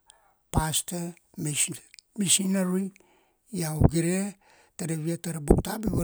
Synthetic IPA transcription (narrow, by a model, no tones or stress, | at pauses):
paste | misinaɾi | jaoɡiɾe | taɾeβiataɾebuktabiɡo